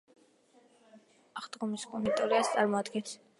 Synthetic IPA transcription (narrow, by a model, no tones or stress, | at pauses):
aχd̪ʁɔmiskʼɔmɛnt̪ʼɔɾiast̪sʼaɾmɔad̪ɡɛns